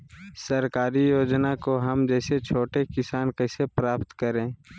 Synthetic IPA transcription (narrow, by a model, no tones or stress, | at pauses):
sɐɾkaːɾijoːd͡ʒnakoɦɐmd͡ʒɛːset͡ʃʰoːʈekɪsaːnkɐsepɾaːpt̪kəɾẽː